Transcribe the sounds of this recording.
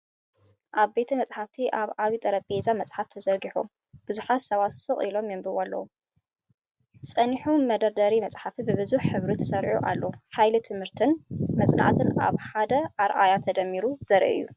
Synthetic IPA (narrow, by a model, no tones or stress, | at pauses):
ʔaβbe̞t̪ʰɐmɐt͡sʼħaft̪ʰiʔaβaβit̪ʼɐɾɐbezamɐt͡sʼħaft̪ʰɐzɐɾɡiħṵ | b̥ɨzuħat̪sɐβasɨχʼilo̞mjɛmbɨwalːɐ̰wu | sʼɐniħumɐd̪ɐɾd̪ɐɾimɐt͡sʼħaft̪ʰibɨβɨzuħħɨβɾit̪ʰɐ̥sɐɾʔṵʔa̰lːɐħajlut̪ʰɨmhɨɾt̪ʰɨnmɐsʼna̰ʕt̪ʰɨna̰βħad̪ɐʔaɾʔajat̪ʰɐd̪ɐmːiɾuz̥ɐɾʔḭɨ̰jːṵ